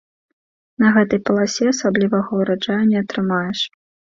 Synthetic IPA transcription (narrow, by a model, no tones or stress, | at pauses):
nɐɣɛt̪ɐjpɐlˠasʲɛɐsablʲivɐɣɐwɾat͡ʂajunʲɛɐt̪ɾɨmajɛʂ